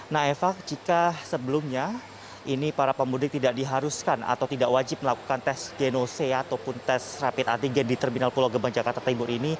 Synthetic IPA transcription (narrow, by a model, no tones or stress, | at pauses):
nahefak̚d͡ʒikasəbəlumɲa | ʔinipaɾapəmudɪk̚t̪idaʔdiɦaɾuskana̰t̪awt̪idaʔwad͡ʒɪp̚məlaku̥kant̪ɛsɡenoseat̪awpʊnt̪ɛsrapɪt̪at̪iŋɡɛndit̪ərminalpuloɡəbaŋd͡ʒakart̪at̪aibʊɾini